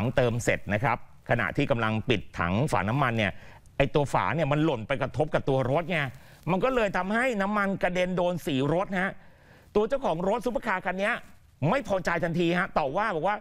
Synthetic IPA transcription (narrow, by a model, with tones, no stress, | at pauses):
ŋt̪ɤː˧msḛ˨˩t̪̚na˦˥kʰa˦˥p̚ | kʰa˧na̰˨˩ʔt̪ʰiː˥˩ka˧mla˧ŋpi˨˩t̪ʰːa̰˦ŋfa̰ː˩˦na˦˥mːa˧nːi˥˩ɐ | ʔa˧jt̪u˧ɐfa̰ː˩˦ni˥˩ɐma˧nlo˨˩npa˧jkɾa˧t̪ʰo˦˥p̚ka˨˩p̚t̪u˧ɐɾo˦˥t̪̚na˧˥˩ | ma˧nkɔː˥˩lɤː˧jt̪ʰa˧mha˥˩jna˦˥mːa˧nka˧de˧ndoː˧nsiː˩˦ɾo˦˥t̪̚ha˦˥ʔ | t̪u˧ɐt͡ɕa˥˩wkʰɔː˩˦ŋɾo˦˥t̪̚su˦˥pʰa˧kʰaː˧kʰa˧nːi˦˥ɐ | ma˥˩jpʰɔː˧t͡ɕa˧jt̪ʰa˧nt̪ʰiː˧ha˦˥t̪ɔː˨˩waː˥˩bɔː˨˩k̚waː˥˩